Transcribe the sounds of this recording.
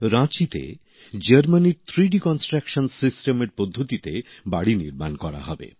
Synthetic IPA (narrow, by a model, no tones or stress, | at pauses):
ɾãt͡ɕit̪ḛ | d͡ʑəɾmaniɾt̪ʰɾiɖikɔnsʈɾakʃonsisʈemeɾpod̪ʱːot̪it̪e | baɽinḭɾmankɔɽa̰ɦɔbḛ